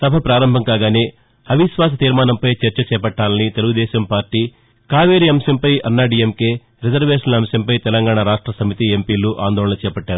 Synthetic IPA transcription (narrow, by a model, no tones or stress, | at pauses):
sɐbʱɐpɾaːɾɐmbʱɐmkaːɡaːne̞ː | hɐʋiʃʋaːs̬ɐt̪iːɾmaːnɐmpɐjt͡ʃɐɾt͡ʃɐt͡ʃɛːpɐʈːaːlɐnit̪e̞luɡud̪ɛːʃɐmpaːɾʈiː | kaːʋeːɾiɐmsɐmpɐjʔɐnːaːɖiemkeː | ɾid͡ʒɐɾʋeːʂɐnlɐmsjɐmpɐjt̪ɛlɐŋɡaːɳɐɾaːʂʈɾɐsɐmit̪iempiːluʔa̰ːnd̪ɔːɭɐnɐt͡ʃɛːpɐʈːaːɾu